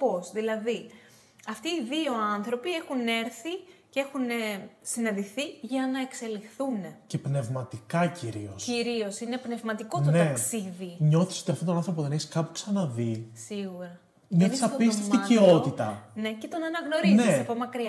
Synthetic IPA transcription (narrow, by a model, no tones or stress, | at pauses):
po̞zðilɐði | ɐft̪iːðio̞ɐnθɾo̞pie̞xune̞ɾθicee̞xunesinɐnd̪iθiʝɐnɐe̞kse̞lixθunece̞pne̞vmɐt̪ikɐciɾio̞siɾio̞sine̞pne̞vmɐt̪iko̞t̪oneɐkssiðiɲo̞θisot̪iɐfont̪onɐ̃nθɾopuðeeçiskɐpu̥ksɐnɐðisiɣuɾɐ | ɲoθisɐpist̪eft̪icio̞t̪it̪ɐne̞cet̪onɐnɐɣno̞ɾinesɐpomɐkɾiɐ